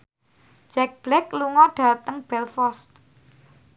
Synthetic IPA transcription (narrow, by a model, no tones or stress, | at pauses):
d͡ʒ̥ɛk̚b̥lɛkluŋɔɖ̥a̤t̪əŋb̥ɛlfɔst̪